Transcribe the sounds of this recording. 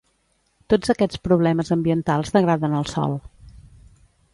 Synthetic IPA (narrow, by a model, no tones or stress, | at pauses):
t̪od͡zəkɛt͡spɾuβlɛməzəmbiənt̪alˠzðəɣɾaðənəlˠsɔ̰lˠ